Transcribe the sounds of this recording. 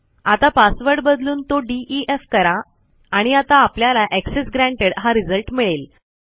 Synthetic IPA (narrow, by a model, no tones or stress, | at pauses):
at̪apasʋəɾɽɖbəd̪luːnt̪oɖiʔiefkəɾa | aɽ̃iat̪aːpljalaʔeksesɡɾæ̃ɳʈeɽɦaɾid͡zəlʈmiɭel